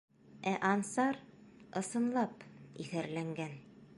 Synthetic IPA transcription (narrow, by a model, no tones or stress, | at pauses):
æʔɑnsɑɾɤ̆sɤ̆nlˠɑpiθæɾlæŋɡæn